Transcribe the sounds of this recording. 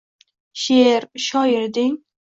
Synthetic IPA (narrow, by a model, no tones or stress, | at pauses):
ʃeɾʃɒjɪɾd̪ɪŋ